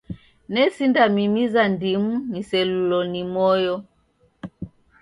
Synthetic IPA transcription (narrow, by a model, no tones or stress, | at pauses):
nɛsindamimizandimunisɛlulɔnimɔjɔ